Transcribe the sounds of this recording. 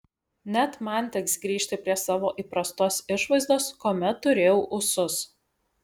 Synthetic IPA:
nʲɛt̪mɐˑnʲt̪ʲɛksɡɾʲiːʃʲt̪ʲɪpʲɾʲiɛsɑːʋoːʔiːpɾɐst̪oːsɪʃʋɐɪzd̪oːskoːmʲɛt̪ːʊɾʲeːjɛʊʔʊsʊs

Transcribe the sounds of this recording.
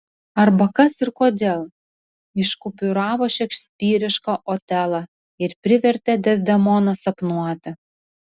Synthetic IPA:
ɐɾbɐkɐsɪɾkoːd̪ʲeːlˠ | ɪʃkʊpʲʊɾɑːʋoːʃʲɛkʃʲsʲpʲiːɾʲɪʃkɐʔoːt̪ʲælˠɐ | ɪɾpʲɾʲɪʋʲɛɾʲt̪ʲɛd̪ʲɛzʲd̪ʲɛmɔnɐsɐpnuɔt̪ʲɪ

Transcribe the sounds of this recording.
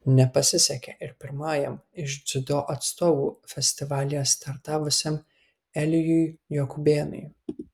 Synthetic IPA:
nʲɛpɐsʲɪsʲɛkʲɛʔɪɾpʲɪɾmɑːjɛmɪʃd̪zʲɪd̪oːʔɐt̪st̪oːʋuːfʲɛsʲt̪ʲɪʋɑːlʲɪjɛst̪ɐɾt̪ɑːʋʊsʲɛm | ɛlʲɪjʊjjokʊbʲeːnʊ̰j

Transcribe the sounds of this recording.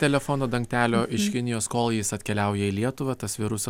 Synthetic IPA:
t̪ʲɛlʲɛfonoːd̪ɐŋkt̪ʲæːlʲoːʔɪʃkʲɪnʲɪjoːskoːlˠjɪsɐt̪ʲkʲɛlʲæˑʊjɛiːlʲiɛt̪ʊʋɐt̪ɐsʋʲɪɾʊsɐ

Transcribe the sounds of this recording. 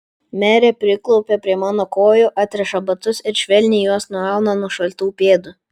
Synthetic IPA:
mʲæːɾʲeːpʲɾʲɪklˠɔʊpʲepʲɾʲiɛmɑːnoːkoːjoːʔɑːt̪ʲɾʲɛʃɐbɐt̪ʊsɪɾʃʲʋʲɛlʲnʲɪːjuɔsnʊɑˑʊnɐnʊʃɐlʲt̪uːpʲeːd̪ʊ

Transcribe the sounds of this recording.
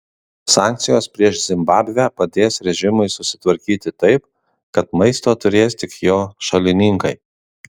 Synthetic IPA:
sɑːˑŋʲkt̪sʲɪjoːspʲɾʲiɛʃzʲɪmbɑːbʲʋʲæːpɐd̪ʲeːsɾʲɛʒʲɪmʊɪsʊsʲɪ̥t̪ʋɐɾʲkʲiːt̪ʲɪt̪ɐɪp | kɐt̪mɐɪst̪oːt̪ʊɾʲeːst̪ʲɪkjoːʃɐlʲɪnʲɪŋkɐɪ

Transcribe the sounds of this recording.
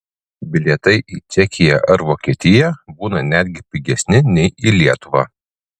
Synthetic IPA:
bʲɪlʲiɛt̪ɐɪʔiːt͡ʃʲɛkʲɪjɛ̰ʔɐɾʋoːkʲiɛt̪ʲɪjɛbuːnɐnʲæːd̪ʲɡʲɪpʲɪɡʲɛsʲnʲɪnʲɛɪiːlʲiɛt̪ʊʋɑː

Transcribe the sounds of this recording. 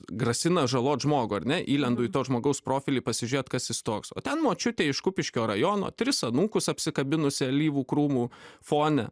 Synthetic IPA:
ɡrɐsʲɪnɐʒɐlˠoːt̪ʒmoːɡʊːɐɾʲnʲɛʔiːlʲɛnd̪ʊːit̪oːʒmoːɡɐʊspɾoːfʲɪlʲiːpɐsʲɪʒʲʊɾʲeːt̪kɐsɪst̪oːkso̰ːt̪ʲɛnmoːt͡ʃʲʊt̪ʲeːɪʃkʊpʲɪʃʲkʲoːɾɐjoːno̰ːt̪ʲɾʲɪsɐnuːkʊsɐpʲsʲɪkɐbʲɪnʊsʲɪɐlʲiːʋuːkɾuːmuːfoːnʲɛ

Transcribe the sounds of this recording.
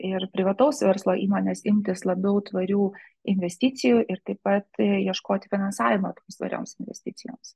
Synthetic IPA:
ɪɾpʲɾʲɪʋɐt̪ɐʊsʋʲɛɾslˠoːʔiːmoːnʲeːsɪmʲt̪ʲɪslˠɐbʲɛʊt̪ʋɐɾʲuːɪnʲʋʲɛsʲt̪ʲɪt̪sʲɪjuːʔɪɾt̪ɐɪpɐt̪jiɛʃkoːt̪ʲɪfʲɪnɐnsɑːʋʲɪmɐt̪oːmst̪ʋɐ̰ɾʲo̰ːmsɪnʲʋʲɛ̰sʲt̪ʲɪt̪sʲɪjo̰ːms

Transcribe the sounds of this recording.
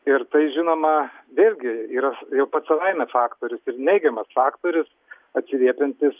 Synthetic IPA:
ɪɾt̪ɐɪʒʲɪnoːmɐʋʲeːlʲɡʲɪiːɾɐjɛʊpɐt̪sɐlˠɐɪmʲɛfɑːkt̪oːɾʲɪsɪɾnʲɛɪɡʲɛmɐsfɑːkt̪oːɾʲɪs | ɐt̪ʲsʲɪlʲiɛpʲɛnʲt̪ʲɪs

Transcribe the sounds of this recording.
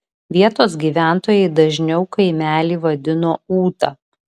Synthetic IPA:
ʋʲiɛt̪oːsɡʲiːʋʲæˑnt̪oːjɛɪd̪ɐʒʲnʲɛʊkɐɪmʲæːlʲiːʋɐd̪ʲɪnoːuːt̪ɐ

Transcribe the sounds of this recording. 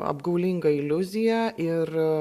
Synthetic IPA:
ɐ̰bɡɐʊlʲɪŋɡɐɪlʲʊzʲɪjæʔɪr

